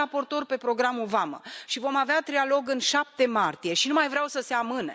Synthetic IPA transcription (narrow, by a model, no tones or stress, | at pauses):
apo̞rt̪o̞rʲpe̞pɾo̞ɡɾamuvamə̰ʃivo̞maveat̪ɾialo̞ɡɨnʃap̚t̪e̞mart̪ije̞ʃinumajvɾʲawsəse̞amɨne̞